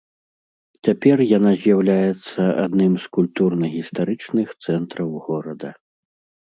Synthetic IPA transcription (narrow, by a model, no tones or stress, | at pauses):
t͡sʲapʲɛrjanazʲjawlʲajɛt̪sːɐa̰d̪nɨmskulʲt̪urnɐɣʲist̪aɾɨt͡ʂnɨxt̪sɛnt̪ɾɐwɣɔɾɐd̪ɐ